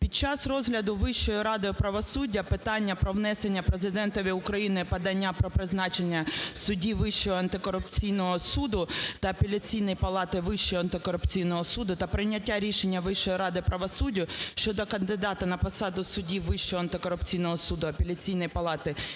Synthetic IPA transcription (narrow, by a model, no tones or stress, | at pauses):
pʲid̚t͡ʃɑsrɔzɦlʲɐd̪ʊʋɪʃt͡ʃːɔjɔɾɑd̪ɪjɔpɾɐʋɔsudʲːɐpɪt̪ɑnʲːɐpɾɔʋnɛsenʲːɐpɾezɪd̪ɛnt̪ɔʋʲiʊkɾɐjinɪpɐd̪ɐnʲːapɾɔpɾɪznɑt͡ʃenʲːɐsʊdʲiʋɪʃt͡ʃːɔɦɔɐnt̪ɪkɔɾʊpt͡sʲijnɔɦɔsud̪ʊt̪ɐːpʲelʲɐt͡sʲijnɪjpɐlˠɑt̪ɪʋɪʃt͡ʃɔjɔɐnt̪ɪkɔɾʊpt͡sʲijnɔɦɔsud̪ʊt̪ɐpɾɪjnʲːɐtʲːaɾʲiʃenʲːɐʋɪʃt͡ʃɔjiɾɑd̪ɪpɾɐʋɔsudʲːʊʃt͡ʃɔd̪ɔkɐnd̪ɪd̪ɑt̪ɐnɐpɔsɑd̪ʊsʊdʲiʋʋɪʃt͡ʃɔɦɔɐnt̪ɪkɔɾʊpt͡sʲijnɔɦɔsud̪ʊɐpʲelʲɐt͡sʲijnɔjpɐlˠɑt̪ɪ